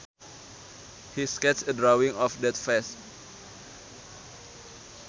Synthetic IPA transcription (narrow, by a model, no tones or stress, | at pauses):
hiskɛtsədɾawiŋɔfdɛt̪fɛs